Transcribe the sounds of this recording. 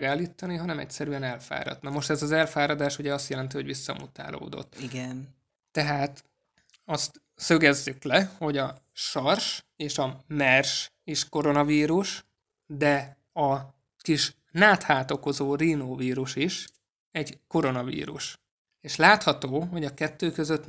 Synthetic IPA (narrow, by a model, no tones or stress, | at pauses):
ɡaːlːiːt̪ːɒniɦɒnɛmɛ̰csɛɾyɛnɛlfa̰ːɾɒ̰d̪nɒmo̞ʃt̪ɛzɒzɛlfaːɾɒd̪aːʃuɟɛɒst̪jɛlɛnt̪iho̞ɟʋisːɒmut̪a̰ːlʔo̰ːd̪o̞̰t̪ːiɡɛnː | ɛɦaːt̪ | ɒst̪ | søɡɛzːyklɛho̞ɟɒ | ʃɒrʃeːʃɒmɛrʃ | iʃko̞ɾo̞nɒviːɾuʃ | d̪ɛ | ɒ | kiʃ | naːt̪haːt̪o̞ko̞zoːriːnoːviːɾuʃiʃ | ɛɟko̞ɾo̞nɒvḭːɾṵʃ | eːʃlaːt̪hɒt̪oːɦo̞ɟɒkɛt̪ːøːkøzøt̪ː